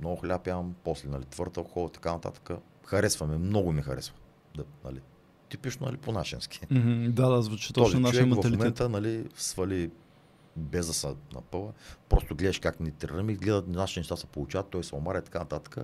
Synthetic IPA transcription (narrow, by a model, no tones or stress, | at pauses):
mnɔɡʊxlʲapjampɔslɛnɐlit̪v̥ɤɾt̪əxɔlˠt̪ɐ̥kanɐt̪a̰t̪ə̥kə | xɐɾɛsvɐmɛmnɔɡʊmixɐɾɛsvɐ | d̪nɐ̰li | t̪ipit͡ʃnonɐ̰liponaʃɛ̰nskʲi̥m̩d̪ad̪azvut͡ʃit̪ɔzinaʃɛɛvt̪ɐmlimɛɛnt̪ənɐlisvɐli | bɛzd̪əsənɐ̰pɤvəpɾɔst̪oɡlɛd̪ɐʃkaknʲit̪ɾɾəmiɡlɛd̪ət̪nnaʃinɛʃt̪asɐ̥polˠʊt͡ʃavɐt̪ːɔjsʊmaɾɐit̪ɐ̥kanɐt̪at̪ə̥kə